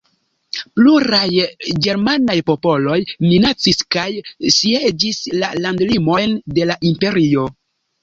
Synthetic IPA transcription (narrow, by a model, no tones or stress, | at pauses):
pluɾajɡe̞ɾmanajpo̞po̞lo̞jminat͡siskajsied͡ʒislalandlimo̞jnde̞laʔimpe̞ɾio̞